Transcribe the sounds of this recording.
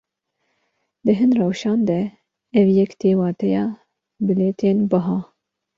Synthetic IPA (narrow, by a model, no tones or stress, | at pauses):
d̪ɨɦɨnrɛwʃɑːnd̪ɛ | ɛvjɛkt̪ʰeːwɑːt̪ʰɛjɑː | bɨleːt̪ʰeːnbɨɦɑː